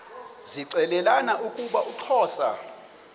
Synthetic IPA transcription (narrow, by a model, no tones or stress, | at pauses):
ziǀɛlɛlanaʔukʼuɓaʔuǁʰɔːsa̰